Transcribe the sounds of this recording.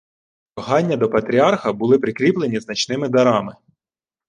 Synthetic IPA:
ɐɦɑnʲːɐd̪ɔpɐt̪ɾʲiɑrxɐbʊlˠɪpɾɪkɾʲiplˠe̞nʲiznɐt͡ʃnɪmɪd̪ɐɾɑmɪ

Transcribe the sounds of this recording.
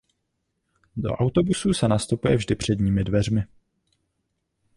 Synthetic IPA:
do̞̰ʔawt̪o̞busuːsɛnast̪upujɛvʒdɪpr̥ɛdɲiːmɪdvɛr̝mɪ

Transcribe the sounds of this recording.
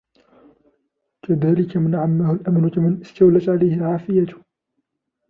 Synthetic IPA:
kaðaːlɪkamɪnʕamːahʊlʔamnʊkamɪnʔɪst̪awlat̪ʕalajhɪlʕaːfɪjat̪ʊ̥

